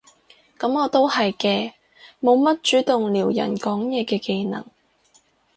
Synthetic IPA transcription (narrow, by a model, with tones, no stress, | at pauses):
kɐ˨˥mɔː˨˧t̪o˥whɐ˨jkɛː˧ | mo˨˧wmɐ˥t̚t͡ʃyː˨˥t̪ʊ˨ŋliː˨˩wjɐ̰˨˩nkɔː˨˥ŋjɛː˨˧kɛː˧ke˧jnɐ̰˨˩ŋ